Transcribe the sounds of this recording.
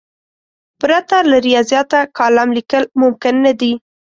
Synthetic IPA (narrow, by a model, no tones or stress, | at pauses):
pɾat̪alaɾijɑzjɑt̪akɑlamlikəlmʊmkɪnːad̪i